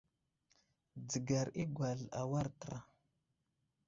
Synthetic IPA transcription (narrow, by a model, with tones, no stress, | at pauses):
d͡zə˨ɡa˨ɾi˦ɡʷa˨ɮa̰˨wa˦ɾtə˨ɾa˨